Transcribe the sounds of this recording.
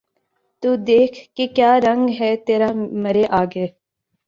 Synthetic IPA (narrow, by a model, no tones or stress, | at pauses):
t̪uːd̪eːkʰkekjaːɾə̃ŋɡɦɛːt̪eːɾaːmɐɾeʔaːɡeː